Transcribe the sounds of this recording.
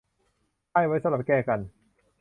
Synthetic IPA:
aː˥˩jwa˦˥jsa˧˦la˨˩p̚kɛː˧˩ka˧n

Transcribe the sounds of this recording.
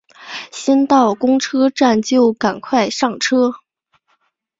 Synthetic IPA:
ɕɛ˥nt̪ɑ˥˩ʊkʊ˥ŋʈ͡ʂʰɤ˥ʈ͡ʂa˥˧nt͡ɕjo˥˩ʊka˨˩nkʰwa˥˧ɪʂɑ˥˩ŋʈ͡ʂʰɤ˥

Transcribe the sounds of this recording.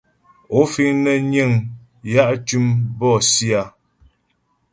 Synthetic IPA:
o˨˦fi˦ŋnə˦ɲe˦˨ŋ | ja˦ʔtʉ˦mbɔ˦˨si˦a˦˨

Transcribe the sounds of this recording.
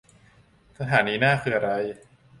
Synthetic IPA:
sʰa˧t̪ʰaː˩˦nːiː˧naː˥˩kʰɯː˧ʔa˧ɾa˧j

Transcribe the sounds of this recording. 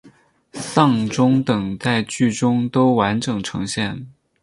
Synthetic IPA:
sɑ˥˧ŋʈ͡ʂʊ˥ŋt̪ɤ˨˩ŋt̪a˥˧ɪt͡ɕy˥˩ʈ͡ʂʊ˥ŋt̪o˥ʊwa˧˥nʈ͡ʂɤ˨˩ŋʈ͡ʂʰɤ˧˥ŋɕjɛ˥˩n

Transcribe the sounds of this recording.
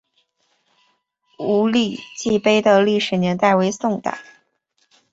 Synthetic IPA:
u˧˥li˥˩t͡ɕi˥˩pe˥ɪd̪ə˨li˥˩ʂɻ̩˨˩njɛ˧˥nt̪a˥˩ɪwe˧˥ɪsʊ˥˧ŋt̪a̰˨˩˦

